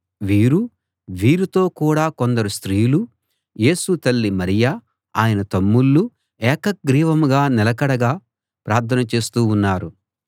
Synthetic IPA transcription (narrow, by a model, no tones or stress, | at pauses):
ʋiːɾu | ʋiːɾut̪o̞ːkuːɽaːko̞nd̪ɐɾust̪ɾiːjlu | je̞ːsut̪ɐlːimɐɾija | aːjɐnɐt̪ɐmːulːu | ɛːkɐk̚ɡɾiːʋɐmuɡaːnɛlɐkɐɽɐɡaː | pɾaːɾt̪ʰɐnɐt͡ʃe̞ːst̪uːunːaːɾu